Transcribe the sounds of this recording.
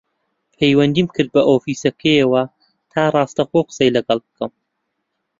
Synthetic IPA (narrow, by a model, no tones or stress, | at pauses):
pʰejwɐnd̪iːmkʰɨɾd̪̚bɐʔoːfiːsɐkʰɐjɐwɐ | t̪ʰaːrˤɑːst̪ɐxoːqɨ̥sejlɐɡɐlˠb̚ɨkɐm